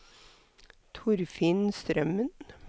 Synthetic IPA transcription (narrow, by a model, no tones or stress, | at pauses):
t̪ʰʊɾfinst̪ɾœmən